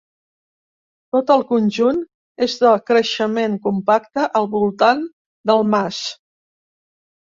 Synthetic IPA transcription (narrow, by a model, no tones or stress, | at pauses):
t̪ot̪əlˠkunʲʒun | ezðəkɾəʃəmeŋkumpakt̪əʔəlˠβulˠt̪an | d̪əlˠmas